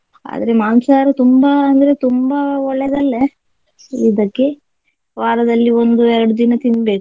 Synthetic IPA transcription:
a̰ːd̪ɐɾe̞maːnsaːɾɐt̪umbɐːnd̪ɐɾet̪umbɐɔɭːɛd̪ɐlːe | id̪ɐkːe̞ | ʋaːɾɐd̪ɐlːiond̪uɛɾɐɽud̪inɐt̪inbe̞ːku̥

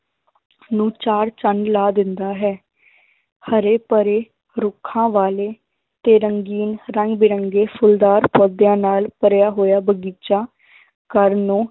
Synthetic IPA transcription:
nũːt͡ʃaːɾt͡ʃənlaːd̪ɪnd̪aːɦɛː | həɾeːpəɾeː | ɾʊkʰːãːʋaːleː | t̪eːɾəŋɡiːnɾəŋɡbɪɾəŋɡeːpʰʊld̪aːɾpɔːd̪jãːnaːlpəɾjaːɦoːjaːbəɡiːt͡ʃaː | kəɾnõː

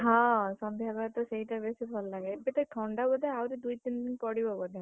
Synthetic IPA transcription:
ɦãsɔmbʱjabat̪ɔseɦiʈabesibʱɔllaɡeebet̪ɔʈʰɔɳɖabɔd̪ɛawɾid̪ujt̪ind̪inpɔɽibɔbɔd̪ɛ

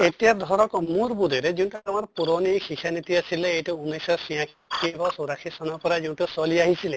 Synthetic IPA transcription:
et̪ijad̪ʱɔɾɔkɔmuɾbud̪eɾed͡ʒiũʈuamɔɾpuɾɔnikʰikʰanit̪iasileːjʈuunejsɔsijã | kʰibɔsoɾakʰisɔnɔpɔɾad͡ʒeũʈusɔliaɦisʰile

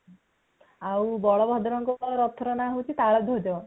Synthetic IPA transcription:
awbɔɭɔbʱɔd̪ɾɔŋkɔɾɔt̪ʰːɾɔnaɦowt͡ʃit̪aɭɔd̪ʱod͡ʒɔ

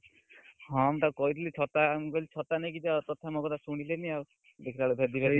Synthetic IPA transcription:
ɦɔ̃amt̪akɔit̪ilit͡ʃʰɔt̪amɡɔlit͡ʃʰɔt̪anakid͡ʒat̪ɔt̪ʰamokɔt̪asuɽ̃ileniaw | d̪ekʰit̪alubʱed̪ibaɾ

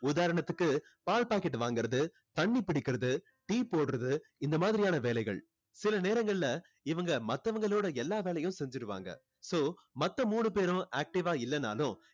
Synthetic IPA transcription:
ʊðaːɾɐɳɐt̪ːɯkːɯpaːlpaːkɛʈːɯʋaːŋɡɪɾɐðɯ | t̪ɐɳːipɪɽɪkːɪɾɐðɯ | ʈiːpoːɽɯɾɐðɯɪnd̪ɐmaːðɪɾɪjaːnɐʋeːlɐɪɣɐ̰ɭ | sɪlɐneːɾɐŋɡɐɭɪlɐ | ɪʋɐŋɡɐmɐt̪ːɐʋɐŋɡɐɭoːɽɐɛlːaːʋeːlɐjʊ̃msɛɲd͡ʒɪɾɯʋa̰ːŋɡɐ̰ | soː | mɐt̪ːɐmuːɳɯp̬eːɾʊ̃ʔaːk̚ʈɪʋaːɪlːɐna̰ːlʊ̃

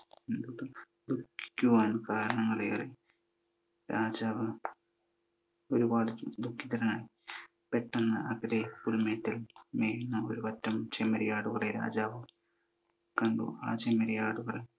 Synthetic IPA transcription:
end̪uɽɨ | d̪ukːi̥ːuʋaːnkaːɾɐɳɐŋːɐɭej̰re | ɾaːd͡ʑaːʋɨ | o̞ɾubaːɽɨd̪ukːit̪ɐɾɐnaːji | peʈːɐnːɐɐkːɐɾepulmeːtːilmeːjunːɐoɾuʋɐtːɐmt͡ɕemɐɾɐjaːɽuɣɐɭeɾa̰ːd͡ʑaːʋɨ | kɐɳɖṵaːt͡ɕemɐɾɐjaːɽuɣɐɭe

